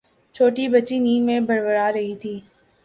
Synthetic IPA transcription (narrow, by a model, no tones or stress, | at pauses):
t͡ʃʰoːʈibɐtːt͡ʃiniːnmẽbɐɾʋəɾaɾɐɦit̪ʰiː